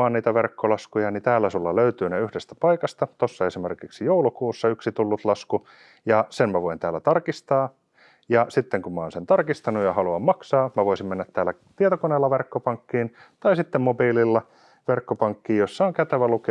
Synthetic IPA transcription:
ɑːnniːt̪æʋerkːolɑskujɑnit̪æːlːæsulːɑløyt̪yːneyhdest̪æ̥pɑikɑst̪ɑt̪osːɑesimerkiksijoulukuːsːɑyksit̪ulːut̪lɑsku | jɑsemmæʋoint̪æːlːæt̪ɑrkist̪ɑː | jɑsit̪ːeŋkummɑo̰ːnsent̪ɑrkist̪ɑnujɑhɑluɑmmɑksɑːmæʋoisimmenːæt̪tæːlːæ | t̪iet̪okoneːlːɑʋerkːopɑŋkːiːn | t̪ɑisit̪ːemmobiːlilːɑ | ʋerkːopɑŋkːiːjosːɑoŋkæt̪æʋæluke

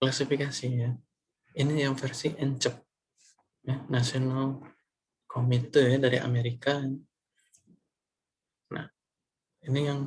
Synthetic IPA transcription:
klasifikasija | inijaŋfɛrsiʔɛɲt͡ʃəp̚ | jahnasional | kʰomit̪əjadaɾḭa̰meɾikan | na̰h | inijaŋ

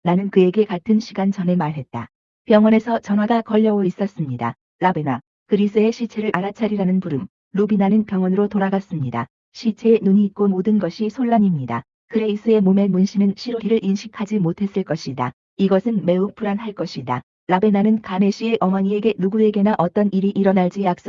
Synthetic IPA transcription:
nanɯnkɯe̞ɡe̞katʰɯnɕʰiɡant͡ɕʌne̞maɭɦe̞t̚t͈a | pjʌŋwʌne̞sʰʌt͡ɕʌnɦwadakʌʎːʌois͈ʌs͈ɯmɲida̰ | labe̞na | kɯɾis͈ʰɯe̞ɕʰit͡ɕʰe̞ɾɯɭʔaɾat͡ɕʰaɾiɾanɯnpuɾɯm | ɾobinanɯnpjʌŋwʌnɯɾotoɾaɡas͈ɯmɲida̰ | ɕʰit͡ɕʰe̞nuɲiːt̚k͈omodɯnɡʌɕʰisʰoɭːaɲimɲida̰ | kɯɾeis͈ʰɯe̞mome̞munɕʰinɯnɕʰiɾoɦiɾɯɭʔinɕʰi̥kʰad͡ʑimotʰe̞s͈ɯɭk͈ʌɕʰida | iɡʌsʰɯnme̞uk̚pʰuɾanɦaɭk͈ʌɕʰida | labe̞nanɯnkame̞ɕʰie̞ʔʌmʌɲie̞ɡe̞nuɡue̞ɡe̞naʔʌt͈ʌniɾiʔiɾʌnaɭd͡ʑ͈ijak̚s͈

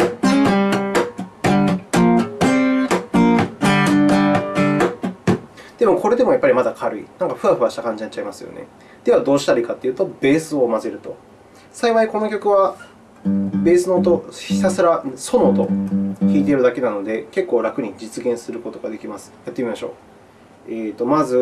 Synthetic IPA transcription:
d̪̥e̞mo̞ko̞ɾe̞d̪e̞mo̞japːaɾʲimad̪akʰaɾɯ̟ḭnãŋkaɸɯ̟βaɸ̟βaɕi̥t̪akãɲ̟d͡ʑinat̚ːt͡ɕaimasɨjo̞̰nḛ | d̪̥e̞βad̪o̞ːɕi̥t̪aɾʲikat̪ːe̞iɯ̟ːt̪o̞be̞ːsɨo̞maze̞ɾɯ̟t̪o̞ | saiβaiko̞no̞kʲokɯ̟β̞a | be̞ːsɨno̞ːt̪o̞çisasɨɾaso̞noːt̪o̞çʲiːt̪e̞ɾɯ̟d̪ake̞nano̞d̪e̞ke̞kːo̞ːɾakɯ̟ɲ̟id͡ʑit͡sɨɡẽ̞ɰ̃sɨɾɯ̟ko̞t̪o̞ɡad̪e̞kʲimasɨ̥jat̪ːemimaɕo̞̰ː | eːt̪o̞mazɨ

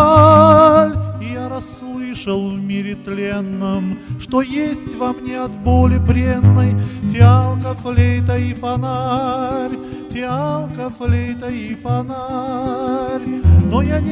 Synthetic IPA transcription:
lʲɪjaɾɐsːlˠɨʂəlˠvmʲɪɾʲɪt̪lʲenːɨmʂt̪o̞jesʲtʲvamnʲeɐt̪bolʲɪbɾʲenːəjfʲɪalˠkəflʲejt̪əifɐnaɾʲ | fʲɪalˠkəflʲejt̪əifɐna | rʲno̞janʲ

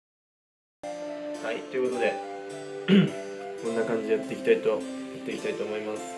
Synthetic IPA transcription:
hait̪ojɯ̟ko̞t̪o̞d̪e̞ | kõ̞nːakãɲ̟d͡ʑieat̪ːeiki̥t̪ait̪o̞jat̪ːe̞ikʲi̥t̪ait̪o̞ːmo̞imasɨ̥

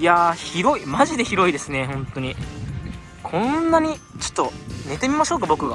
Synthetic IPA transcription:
jaçiɾo̞imaʑid̪e̞çiɾo̞id̪e̞sɨne̞ɦõ̞nt̪o̞ɲ̟i | kʰõ̞nːaɲ̟i | t͡ɕo̥t̪ːo̞ne̞t̪e̞mʲimaɕo̞ːkabo̞kɯ̟ɡa̰

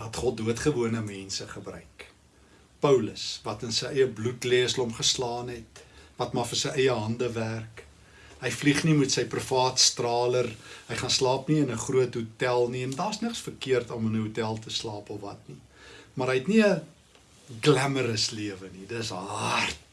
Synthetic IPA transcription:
ɦɐtχɔt̚duətχəvuənəmɛnsəχəbrœ̰ɥk | pəwləsvɐtənsəjʔəjəblutliəslɔmχəslɑːnɦɛtvɐtmɑfərsəjəjəɦɐndəværk | ɦəjfliχnimutsəjprufɑːtstrɑːlərɦəjχɑnslɑːpniənəχruətɦutælˠniɛndɑːsnəksfərkiərtɔmənəɦutælˠtəslɑːpɔfvɐtni | mɐɾɦəjɛtniə | ɡlæməɾəsliəvənidəsɦɑrt̚

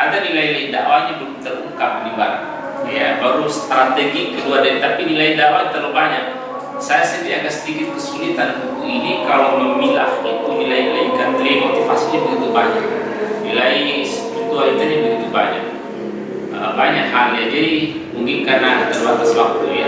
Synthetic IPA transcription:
adanilailaida̰ʔwaɲabəlut̪əruŋkap̚nibaɾa | jabaɾust̪ɾat̪ɛɡikːəluardaɾit̪apinilaidawat̪alobaɲak̚ | sajasənt̪iakansəd̪ikɪt̪̚kəsulit̪anut̪uinikalaməmila̰hit̪unilainilaikant̪limɔt̪ifasilɲabəɡit̪ubaɲak̚ | nilaisəput̪ualit̪uɲabəɡit̪ubaɲa̰k̚ | əbaɲakɦaljad͡ʒadi | uŋɡiŋkanadat̪aluat̪aswak̚t̪uja

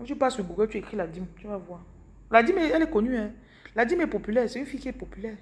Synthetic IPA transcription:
et͡ʃubasuɡ͡boɡɛt͡ʃuekiladimt͡ʃuavua | ladimeɛlekonũɛ | ladimepopylɛseĩfikepopylɛ

